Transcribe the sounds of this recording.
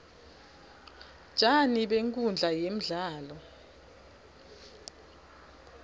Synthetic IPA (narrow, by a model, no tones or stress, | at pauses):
t͡ʃʼaniɓeŋkʼund͡ɮʱajem̩ɮaːlɔ